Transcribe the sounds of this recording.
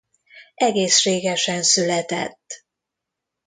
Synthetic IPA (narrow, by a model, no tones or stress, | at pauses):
ɛɡeːsʃeːɡɛʃɛnsylɛt̪ɛ̰t̪ː